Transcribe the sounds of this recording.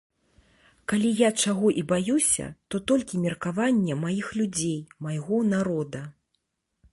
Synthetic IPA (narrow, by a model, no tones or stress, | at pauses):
kalʲijat͡ʂaɣɔʔibajusʲɐ̰t̪ɔt̪ɔlʲkʲimʲɛrkavanʲːɛmajixlʲud͡zʲejmajɣɔnaɾɔd̪ɐ